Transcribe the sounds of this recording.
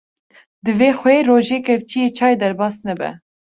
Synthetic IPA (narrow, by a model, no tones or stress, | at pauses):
d̪ɨveːxʷɛeːɾoːʒeːkɛvt͡ʃijeːt͡ʃʰɑːjed̪ɛɾbɑːsnɛbɛ̰